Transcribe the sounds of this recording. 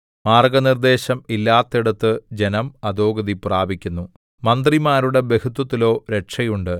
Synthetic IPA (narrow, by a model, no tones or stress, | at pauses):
maːrɡɐnird̪e̞ːɕɐmilːaːt̪ːiɽɐt̪ːɨd͡ʑe̞nɐmɐd̪o̞ːɡɐðipraːbikʲːunːu | mɐnd̪rimaːɾuɽe̞be̞kut̪ːwɐt̪ːilo̞ːɾe̞ʈʂɐjuɳɖɨ